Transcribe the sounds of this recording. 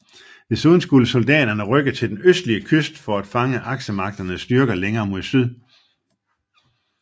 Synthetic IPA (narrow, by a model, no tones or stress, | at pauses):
d̥e̝suð̞ˠn̩sɡ̥uləso̝ld̥ɛ̰ːd̥ɐnəʁœɡ̥ðt͡sʰe̝ld̥enøsd̥liəkʰøsd̥fɒ̽æd̥fɑ̈ŋəʔɑ̈ɡ̥ɕəmɑ̈ɡ̥̚d̥ɐnəsd̥yɐɡ̥ɐleŋɐːmo̝ðˠsyð̞ˠ